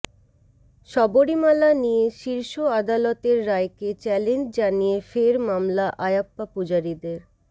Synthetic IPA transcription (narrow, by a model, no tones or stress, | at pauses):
ʃɔboɾimalanijeʃiɾʃoad̪alot̪eɾːaeket͡ɕɛlend͡ʑd͡ʑanijefeɾmamlaʔajapːapud͡ʑaɾid̪eɾ